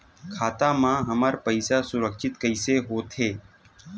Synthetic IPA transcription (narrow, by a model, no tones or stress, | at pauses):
kʰaːt̪ãːmãːɦəməɾpəɪsasʊɾəkʃɪt̪kəɪseɦoːt̪ʰeː